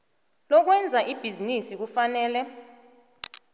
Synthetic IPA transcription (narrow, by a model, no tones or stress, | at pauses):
lɔk̬wɛnd͡zʱaʔib̥ʱizinisik̬ufanɛːlɛ